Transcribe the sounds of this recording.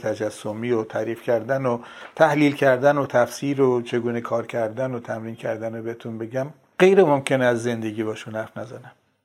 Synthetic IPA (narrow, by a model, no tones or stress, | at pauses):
t̪ʰæd͡ʒæsːomiːot̪ʰæːɾiːfcʲæɾd̪ænot̪ʰæhliːlcʰæɾd̪ænot̪ʰæfsiːɾot͡ʃʰe̞ɡuːnekʰɒːɾcʰæɾd̪ænot̪ʰæmɾiːncʰæɾd̪ænobeet̪ʰunbe̞ɟæm | ɢejɾemomcʰe̞neæzːe̞nd̪e̞ɡiːbɒːʃunhæɾfnæzæ̰næm